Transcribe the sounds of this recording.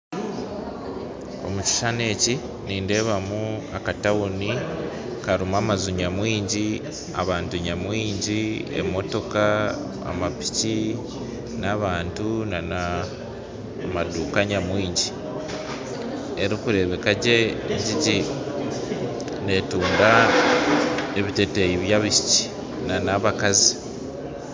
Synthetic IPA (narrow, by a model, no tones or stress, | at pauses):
o̞̰muci̥ʃane̞ːci | niːnde̞ːβamuakatawuni | kaɾumaːmazuɲamwiːɲɟi | a̰βaːntuɲamwiːɲɟiḛmo̞to̞ka | a̰mapi̥ci | naβaːntunana | maduːkaɲamwiːɲɟi | e̞ɾikuɾe̞βe̞kaɟeɟiɟi | ne̞tuːnda | eβite̞tejiβjaβiʃi̥ci̥ | nanaβakazi